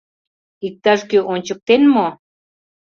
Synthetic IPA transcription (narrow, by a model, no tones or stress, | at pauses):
ik̚t̪aʐkiunt͡ʃuk̚t̪enmo